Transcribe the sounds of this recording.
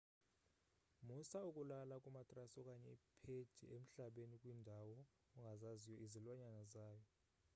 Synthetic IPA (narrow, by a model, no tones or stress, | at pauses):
musaukʼulalakʼumatʼrasɔkʼaɲɛipʰed̥d̥ʱḭʔem̩ɬaɓenikʼwindʱawɔ | uŋɡʱazazijɔizilwaɲanazaːjɔ